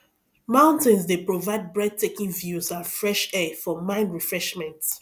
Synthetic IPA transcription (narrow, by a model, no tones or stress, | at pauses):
mãʊ̃ntɛ̃nsdepɹovaɪd̚bɹɛd̚tekĩnvjuzãnfɹɛʃɛfɔmãɪ̃nɹifɹɛʃmɛ̃nt